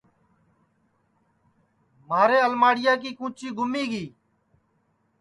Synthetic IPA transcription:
maːɾeːəlmaːɽɪjaːk̬iːkũːt͡ʃiːɡʱʊmiːɡiː

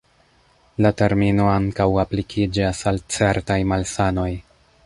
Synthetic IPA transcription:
late̞ɾmino̞aŋkawaplikʰid͡ʒasalt͡se̞ɾtajmalsano̞j

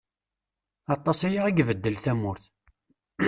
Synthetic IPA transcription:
ɑt̪ˤːɑsæjaʁæɡvəd̪ːəlθæmʊɾθ

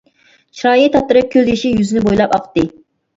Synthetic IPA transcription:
t͡ʃʰɾɑːjit̪ʰɑp̚t̪ːɨɾɨp̚kʲʰøliʃijyzɪnɪbojlˠɑpɑqʰt̪ːɨ

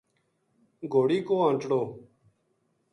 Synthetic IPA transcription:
ɡʱoːɽiːkoːãːnt͡ʃɽoː

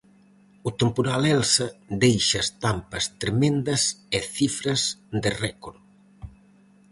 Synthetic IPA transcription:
ʊt̪empoɾalɛlsɐd̪ejʃɐst̪ampɐst̪ɾemẽnd̪ɐseθifɾɐzd̪ɪrɛkoɾ

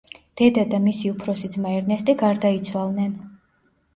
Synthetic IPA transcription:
d̪̥ɛd̪ad̪amisiupʰɾɔsid̪zmaɛɾnɛst̪ʼiɡaɾd̪ait̪sʰwalˠnɛn

